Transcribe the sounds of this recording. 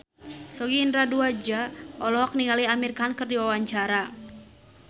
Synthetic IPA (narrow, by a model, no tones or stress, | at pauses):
sɔɡiːndɾaduad͡ʒaʔɔlɔɔk̚niŋaliamirkankɨrdiwawaɲt͡ʃaɾa